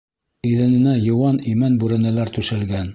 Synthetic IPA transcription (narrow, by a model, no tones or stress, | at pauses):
iðɘ̆nɘ̆næjɤ̆wɑnimænbʉɾæ̆nælæɾt̪ʉʃɘ̆lɡæn